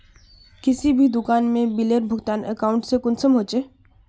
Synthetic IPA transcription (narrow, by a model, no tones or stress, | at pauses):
kɪsibʱid̪ʊkaːnmẽbileːɾbʱʊɡt̪aːnə̰kaːʊ̃ɳʈsekʊnsəmɦoːt͡ʃeː